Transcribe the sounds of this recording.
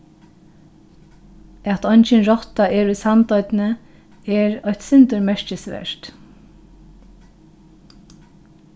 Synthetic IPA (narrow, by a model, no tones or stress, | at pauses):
ɑt̪ɔnçənɹɔt̪ɑeːɹiːsɑnt̪œʏd̪n̩ə | eːɹœʏt̪sɪnt̪əɹmæɹçəsʋæ̰ʃt̪